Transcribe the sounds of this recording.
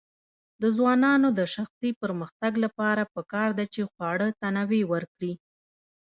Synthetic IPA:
d̪əzwɑnɑnod̪əʃaxsipəɾməxt̪aɡlapɑɾapəkɑɾd̪at͡ʃexwɑɽət̪anawewəɾkɽi

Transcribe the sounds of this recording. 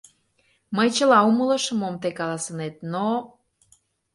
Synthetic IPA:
məjt͡ɕəlɑumələ̆ʃə̆momt̪ekɑlɑsə̆net̪̚no

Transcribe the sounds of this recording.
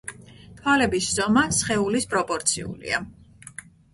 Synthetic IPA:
t̪ʰwalɛbisz̥ɔmasχɛulispʼɾɔpʼɔɾt̪sʰiṵlḭa

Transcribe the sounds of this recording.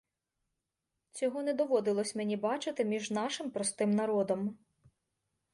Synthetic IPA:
t͡sʲɔɦɔnɛd̪ɔʋɔd̪ɪlˠɔsʲmenʲibɑt͡ʃɪt̪ɪmʲiʒnɑʃɪmpɾɔst̪ɪmnɐɾɔd̪ɔm

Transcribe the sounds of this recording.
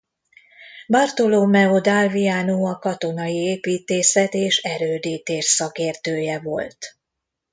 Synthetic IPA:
bɒrt̪o̞loːmɛod̪alvijaːnuːɒkɒt̪o̞nɒjieːpiːt̪eːsɛt̪eːʃɛɾøːd̪iːt̪eːʃsɒkeːrt̪øːjɛvo̞̰lt̪

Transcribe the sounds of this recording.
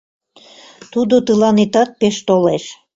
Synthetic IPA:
t̪ud̪ot̪əlɑnet̪ɑt̪̚peʃt̪oleʃ

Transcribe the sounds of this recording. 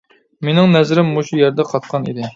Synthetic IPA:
menɪŋnɛzɾɪmːoʃujɛɾd̪ɛqʰɑt̪̚qʰɑnḭd̪ɪ

